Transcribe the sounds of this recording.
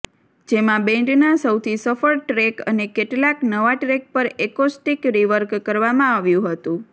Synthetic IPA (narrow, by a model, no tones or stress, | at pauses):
d͡ʒemãbɛ̃ɳʈnasəwt̪ʰisəfəɾʈɾekənekeʈlaknəʋaʈɾek̚pəɾekosʈikɾiʋəɾkːəɾʋamãaʋjũɦət̪ũ